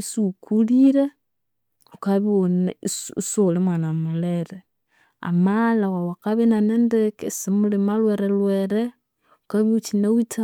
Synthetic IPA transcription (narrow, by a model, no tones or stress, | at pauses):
isukʰuliɾe | okaβionssolemwanamuleɾe | a̰malawawakaβinanendekesimulimalweɾelweɾe | okaβiut͡ʃinawita